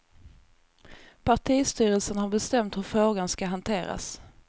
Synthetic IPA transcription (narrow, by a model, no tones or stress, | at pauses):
pʰaʈʰiːst̪yːɾəlsənhaɾbɛst̪ɛmt̪hɵɾfɾoːɡanskaɦant̪ʰeːɾa̰s